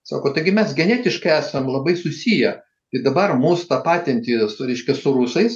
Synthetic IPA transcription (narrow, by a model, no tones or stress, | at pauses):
sɑ̰ːkoːt̪ɐɪɡʲɪmʲɛsɡʲɛnʲæːt̪ʲɪʃkɐɪæːsɐmlˠɐbɐɪsʊsʲijɛ | t̪ɐɪd̪ɐbɐrmuːst̪ɑːpɑːt̪ʲɛnʲt̪ʲisɾʲɛɪʃʲkʲɛsʊɾʊsɐɪs